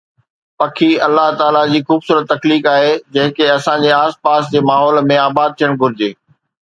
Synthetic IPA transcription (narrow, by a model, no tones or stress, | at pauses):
pɐkʰiɐlːaɦt̪aːlad͡ʑiːxuːbsuːɾət̪ːɐkliːkaːɦed͡ʑɐ̃ɦɪ̃keɐsãd͡ʑeaːspaːsd͡ʑeːmaːɦɔːlmẽaːbaːd̪̚t̪ʰijəɽ̃ɡʱʊɾɪd͡ʑeː